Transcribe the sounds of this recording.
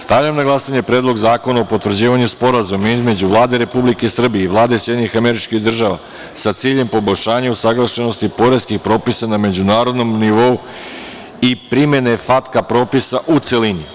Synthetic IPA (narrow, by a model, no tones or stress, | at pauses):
st̪aʋʎamnaɡlˠasaɲe̞pɾe̞ːd̪lˠo̞ɡzaːko̞naopo̞t̪ʋr̩d͡ʑiːʋaɲuspo̞ɾazumaizme̞d͡ʑuʋlˠaːd̪e̞ɾe̞publike̞isr̩bijeiʋlˠaːd̪e̞isjed̪ʲɲixame̞ɾit͡ʃkiɣd̪r̩ʒaʋa̰ | sat̪siːʎe̞mpo̞bo̞ʎʲʃaːɲausaɡlˠaʃe̞no̞st̪ipo̞ɾe̞skixpɾo̞ːpisaname̞d͡ʑunaːɾo̞d̪no̞mniʋo̞u | ipɾime̞ne̞fat̪kapɾo̞ːpisaʔut̪se̞lini